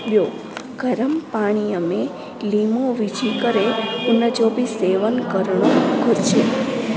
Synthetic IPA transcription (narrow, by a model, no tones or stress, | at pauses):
bjo | ɡ̥ʱəɾəmpaɽ̃iəme | limoʋid͡ʒikəɾeunːəd͡ʒobiseʋənkəɾɳoɡʱuɾt͡ʃe